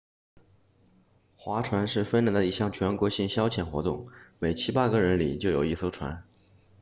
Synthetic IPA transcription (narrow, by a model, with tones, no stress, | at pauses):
xwa˧˥ʈ͡ʂʰwa˧˥nʂɻ̩˥˩fə˥nɻə˧˥ŋd̪ə˧i˧˥ɕjɑ˥˩ŋt͡ɕʰɥɛ˧˥nkwɔ˧˥ɕi˥˩ŋɕjɑ˥ʊt͡ɕʰjɛ˨˩nxwɔ˧˥t̪ʊ˥˩ŋme˨˩ɪt͡ɕʰi˥pa˥ɡə˥˨ɻə˧˥nlḭ˨˩t͡ɕjo˥˩ʊjo˨˩i˥˩so˥ʊʈ͡ʂʰwa̰˧˥n